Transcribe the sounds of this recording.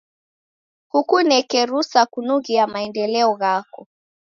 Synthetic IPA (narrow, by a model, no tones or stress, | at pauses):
hukunɛkɛɾusakunuɣiamaɛndɛlɛɔɣakɔ